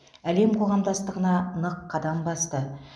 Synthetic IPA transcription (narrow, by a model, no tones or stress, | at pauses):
æle̞mqʰo̞ʁɑmd̪ɑst̪əʁənɑnəqʰːɑd̪ɑmbɑst̪ə